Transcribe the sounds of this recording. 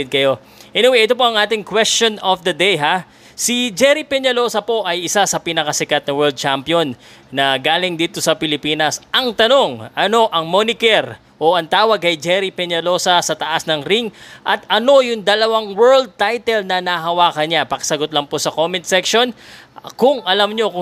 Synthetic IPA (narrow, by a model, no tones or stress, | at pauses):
ɪd̪̚kɐjo̞ | hɛnɪwɛʔɛt̪op̬o̞ɐŋʔaːt̪ɪŋkwɛst͡ʃo̞nofd̪ɐd̪ɛjɦa | sid͡ʒɛɾipɛɲɐlo̞sɐpo̞ʔɐjɪsasɐpinɐkɐsɪkɐt̪̚nɐwɛɹld̪̚t͡ʃampjonː | ɐɡaːlɪŋd̪iːt̪o̞sɐpɪlɪpiːnɐsʔɐŋt̪ɐno̞ŋʔɐno̞ʔɐŋmonɪkɛɾ | ʔo̞ʔɐnt̪aːwɐɡ̚kɐjd͡ʒɛɾipɛɲɐlo̞sɐsɐt̪ɐʔasnɐŋɾiŋʔɐt̪̚ɐno̞jʊŋd̪ɐlɐwaŋwɛɹld̪̚t̪ajt̪ɛlnɐnɐɦɐwaːkɐnapɐkɐsɐɡot̪lɐŋposɐkomɛnt̪sɛkʃo̞nkʊŋʔɐlɐmɲo̞